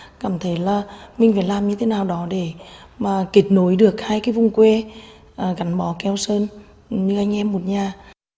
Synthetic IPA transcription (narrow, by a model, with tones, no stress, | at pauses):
kaː˧˩mt̪ʰə˨˦jlaː˨˩mï˨ŋ̟faː˧˩jlaː˨˩mɲɨ˧t̪ʰe˨˦naː˨˩wɗɔ˨˦ɗe˧˩ | maː˨˩ki˨˩˦t̚no˨˦jɗɨ˨˩ək̚haː˧jkaː˨˦vʊ˨˧˩ŋ͡mkwe˧ | ʔəː˨˩ɣa˨˦jŋ̟ɓɔ˨˦kɛ˧wsəː˧n˨ | ɲɨ˧ʔa˧jŋ̟ʔɛ˧mːo˨˩t̚ɲaː˨˩